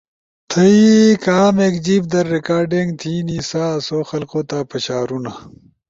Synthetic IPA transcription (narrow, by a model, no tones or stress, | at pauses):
t̪ʰɐikaːmeːkd͡ʑiːp̚d̪ɐɾːekaːɾɖeŋɡt̪ʰiːnisaːsoːxɐlqoːt̪aːpɐɕaːɾuna